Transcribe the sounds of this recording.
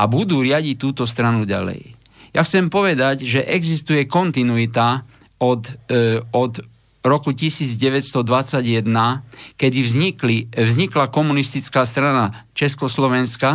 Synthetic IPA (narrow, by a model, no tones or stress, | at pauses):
abud̪uːɾɪaɟic̚t̪ːuːt̪ɔst̪ɾanuɟa̰lɛ̰j | jaxt͡sɛmpɔʋɛd̪aɟʒɛʔɛɡzist̪ujɛkɔnt̪inuit̪a | ɔd̪ɔd̪ | ɾɔkucisiːd͡zɟɛʋɛtst̪ɔd̪ʋat͡saɟjɛd̪nakɛd̪ivziklivzɲiklakɔmunist̪it͡skaːst̪ɾanat͡ʃɛskɔslɔʋɛnska